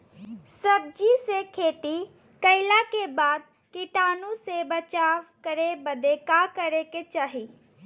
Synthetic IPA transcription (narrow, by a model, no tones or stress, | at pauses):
səb̚d͡ʒisekʰet̪i | kəɪlakebad̪̚ | kiʈanusebət͡ʃaʋkəɾebəd̪ekakəɾeket͡ʃaɦi